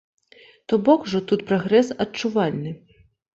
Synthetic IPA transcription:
t̪ɔbɔkuʐɔt̪ut̪pɾɔɣɾɛsɐt͡ʂuvalʲnɨ

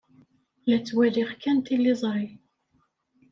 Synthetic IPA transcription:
læt͡sːwæðiʁkænt̪ilːizˤɾˤi

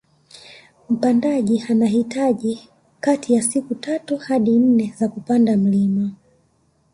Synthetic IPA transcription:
m̩pandaʄianaɦitaʄi | katʰijasikutatuhaɗin̩nɛzakupandam̩lima

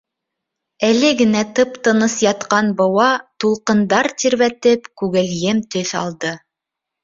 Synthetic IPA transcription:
ælɘɡɘ̆næt̪ɤpt̪ɤ̆nɤsjɑt̪qɑnbŏwɑt̪ulˠqɤ̆nd̪ɑɾt̪iɾβæt̪ɘpkʉɡɘ̆ljɘmt̪ɵθɑ̰lˠd̪ɤ

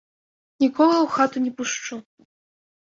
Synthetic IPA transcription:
nʲikɔɣɐwxat̪unʲɛpuʂt͡ʂu

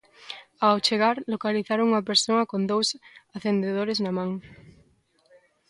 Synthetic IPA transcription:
awt͡ʃeɣaɾlokaliθaɾoŋuŋapeɾsoɐkond̪owsaθend̪eðoɾeznamãŋ

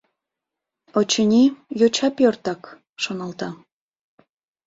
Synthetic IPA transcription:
ot͡ɕənʲijot͡ɕɑpjort̪ɑk | ʃonɑlt̪ɑ

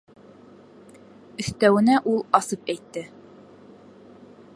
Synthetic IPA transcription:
ɵ̆θt̪æwɘ̆næʔulˠɑsɤpæjt̪ːɘ

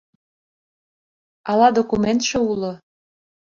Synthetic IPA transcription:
ɑlɑd̪okument̪ʃĕulo

